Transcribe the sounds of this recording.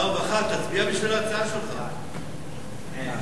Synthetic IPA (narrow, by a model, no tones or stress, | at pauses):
ovaχat̪ːat͡sbiabiʃvilat͡saaʃelχa